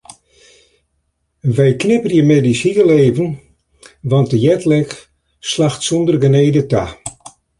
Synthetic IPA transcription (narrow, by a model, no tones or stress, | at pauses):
ʋɛjknɪpərjəmedisiəleːvən | ʋɑnt̚əjɛtlɛk | slaxtsundərɡəneːdəta